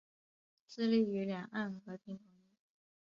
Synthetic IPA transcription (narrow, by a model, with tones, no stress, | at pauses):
t͡sɹ̩˥˧li˥˩y˧˥ljɑ˨˩ŋa˥˩nxɤ˧˥t̪i˧˥ŋt̪ʰɤ˧˥ŋ˥˩˦